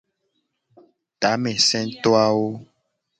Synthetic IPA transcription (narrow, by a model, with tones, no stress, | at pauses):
t̪a˨˦mɛ̃˨sɛ̃˦t̪ɔ˦a˦wo˦